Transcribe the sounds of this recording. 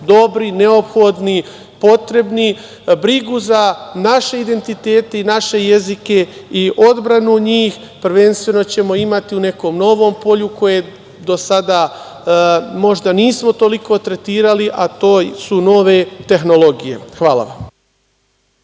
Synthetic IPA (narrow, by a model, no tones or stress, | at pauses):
d̪o̞bɾine̞opxod̪ni | po̞t̪ɾe̞bni | bɾiɡuzanaʃe̞id̪e̞nt̪it̪e̞ːt̪e̞inaʃe̞je̞zike̞iʔo̞d̪bɾanuɲiːx | pɾʋe̞nst̪ʋe̞no̞t͡ɕe̞mo̞imat̪iune̞ko̞mno̞ʋo̞ːmpo̞ʎuko̞je | d̪o̞sad̪a | mo̞ʒd̪aniːsmo̞t̪o̞liko̞t̪ɾe̞t̪iːɾaliʔat̪o̞ːsuno̞ʋe̞t̪e̞xno̞lˠo̞ɡije̞̰xʋaːla̰ʋa̰m